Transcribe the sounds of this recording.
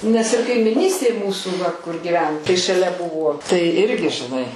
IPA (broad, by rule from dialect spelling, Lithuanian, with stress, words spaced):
nʲɛs ɪr kɐɪmʲɪˈnʲiːsʲtʲeːj ˈmuːsuː ʋɐ kʊr ɡʲɪˈʋʲɛn tɐɪ ʃɐˈlʲɛ ˈbʊʋoː tɐɪ ˈɪrʲɡʲɪ ʒʲɪˈnɐɪ